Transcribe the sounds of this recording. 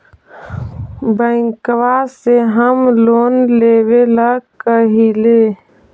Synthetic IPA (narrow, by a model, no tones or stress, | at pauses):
bə̃ɪ̃ŋkwaseɦəmloːnleːweləkəɦileː